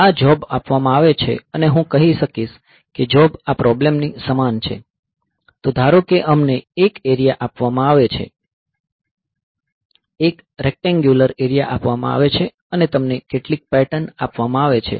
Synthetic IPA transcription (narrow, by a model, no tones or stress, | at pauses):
ad͡ʒɔbapʋamãaʋet͡ʃʰḛəneɦũkəɦiʃəkiʃ | ked͡ʒɔbapɾɔblemnisəmant͡ʃʰḛ | t̪od̪ʱaɾokeʔəmneekeɾijaʔapʋamãaʋet͡ʃʰḛ | ek | ɾɛk̚ʈɛ̃ŋɡjuləɾeɾijaʔapʋamã̰a̰ʋet͡ʃʰe | ənet̪əmnekeʈlik̚pɛʈənapʋamãaʋet͡ʃʰḛ